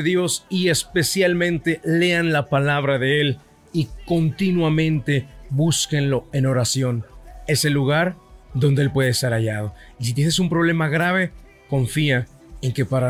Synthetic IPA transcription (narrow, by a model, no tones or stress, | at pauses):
ðjo̞sie̞spe̞sjalmẽ̞nt̪e̞le̞anlapalaβɾaðe̞e̞l | iko̞nt̪inwamẽ̞nt̪e̞βuskenlo̞e̞no̞ɾasjo̞ne̞se̞luɣaɾðo̞nd̪e̞elpwe̞ð̞est̪aɾaʝað̞o̞ | is̬it̪̬jenesumpɾoβle̞maɣɾaβ̞e̞ | ko̞ɱfia | eŋke̞paɾa